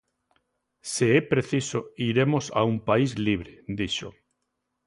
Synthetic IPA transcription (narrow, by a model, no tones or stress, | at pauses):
seɛpɾeθisoiɾemosa̰umpaizliβ̞ɾed̪iʃo̰